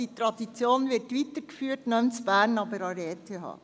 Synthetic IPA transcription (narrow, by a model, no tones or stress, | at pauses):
it̪ɾɑd̪it͡sjoːnʋɪtʋit̪əɾkfyːətnœmt͡sb̥æːɾnɑbəɾɑɾeːtʰeɦɑ̰ː